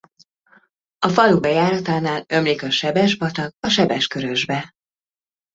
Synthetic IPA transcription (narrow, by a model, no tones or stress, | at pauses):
ɒfɒlubɛjaːɾɒt̪aːnaːlø̞mlikɒʃɛbɛʒbɒt̪ɒkɒʃɛbɛʃkøɾø̞ʒbɛ